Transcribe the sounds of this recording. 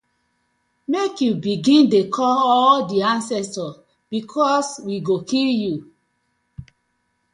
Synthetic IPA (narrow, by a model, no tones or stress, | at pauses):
mekjubiɡĩndekʰɔlɔldiãnsɛstɔ | b̥ikʰɔswiɡokʰilju